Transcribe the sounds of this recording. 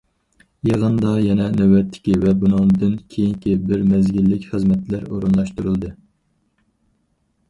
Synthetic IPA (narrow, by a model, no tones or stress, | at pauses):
jeʁənd̪ɑjɛnɛnɛwɛt̪ʰːɪ̥kʲivɛbunɨŋd̪ɨnkʲʰejiŋkʲibɪɾmɛzɡʲilːɪkʲχəzmɛt̪læɾoɾunlˠɑʃt̪uɾɨlˠd̪ɨ